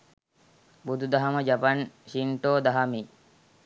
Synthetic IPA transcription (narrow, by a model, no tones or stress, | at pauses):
bud̪ud̪aɦaməd͡ʒapanʃiɳʈoːd̪aɦami